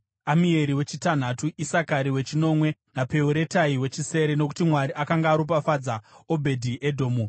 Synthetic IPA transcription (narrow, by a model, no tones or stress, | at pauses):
amie̞ɾiwe̞t͡ʃitan̤atuʔisakaɾiwe̞t͡ʃino̞mwe̞nape̞uɾe̞taiwe̞t͡ʃise̞ɾe̞no̞ku̥timwaɾiʔakaŋɡaːɾup̬afad͡zao̞bʱe̞dʱiʔedʱo̞ːmu